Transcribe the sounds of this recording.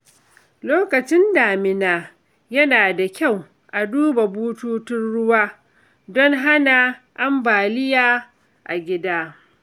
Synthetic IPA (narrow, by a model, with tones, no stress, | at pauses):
loː˦kɐ˨t͡ʃɪ˦ndaː˨mɪ˨naː˦ | jɐ˦naː˨da˨kʲa˦˨w | ʔa˨duː˦ba˨buː˦tuː˦tɪ˦nɽʊ˦waː˦ | dɔ˦ŋɦa˦na˨ʔa˦mbaː˨lɪ˦jaː˦ | ʔa̰˨ɡʲɪ˦daː˦